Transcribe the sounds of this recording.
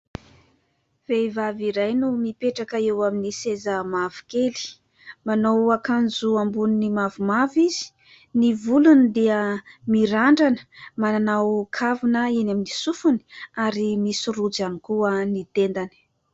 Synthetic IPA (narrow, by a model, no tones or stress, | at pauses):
v̥evaviɾajnumipeʈ͡ʂakəewaminisezəmavu̥keli̥ | manowakand͡zuambuninimavumavizi̥ | nivulunid̪eəmiɾaɳɖ͡ʐanə̥mananawkʰavunəenaminisufuni̥aɾimisuɾud͡zanikuənit̪end̪ani̥